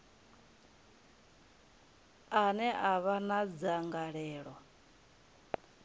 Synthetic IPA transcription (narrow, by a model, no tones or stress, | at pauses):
anɛʔaβanad͡zaŋɡaɺɛːɺwɔ